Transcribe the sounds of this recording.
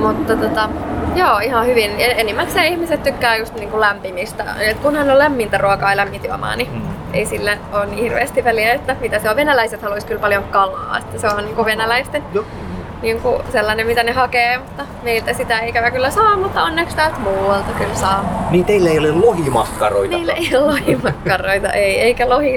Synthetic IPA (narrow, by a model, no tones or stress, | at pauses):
mut̪ːɑt̪ot̪ɑjoːihɑhyʋineenimːæt̪seːihmiset̪t̪ykːæːjust̪niːŋkulæmpimist̪æ̰et̪kunhɑnːolæmːint̪æruokɑːlæmːit̪iɑ̰mɑ̰ːniʔḛisilːænoːnniːhhirʋḛːst̪iʋʋæliæet̪ːæmit̪æseoʋʋenælæiset̪hɑluiskylpɑljoŋkɑlˑɑ̰ːḛt̪ːæseonniːŋkuʋenælæist̪en | niːŋkuselːɑnemit̪ænehɑkeːmut̪ːɑmeilt̪æsit̪æeikæʋækylːæsɑːmmut̪ːɑonːekst̪ælt̪muːwelt̪ɑkylsɑːniːt̪eilːæeiolellohimɑkːɑro̰itneilːeijollohimɑkːɑroit̪ɑ̰ʔeieikælohi